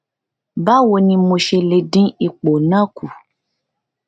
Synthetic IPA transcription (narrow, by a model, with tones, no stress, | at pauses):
ba˦wo˧nĩ˧mo˧ʃe˧le˧dĩ˦i˦˧k͡po˨nã˦ku˨